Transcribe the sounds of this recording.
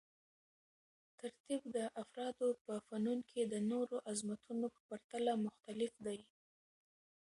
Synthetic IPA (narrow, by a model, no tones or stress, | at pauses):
t̪aɾt̪ibd̪əʔafɾɑd̪opəfanunkʰed̪ənoɾoʔazmat̪ʰunopə̥paɾt̪alamʊxt̪alɪfd̪aj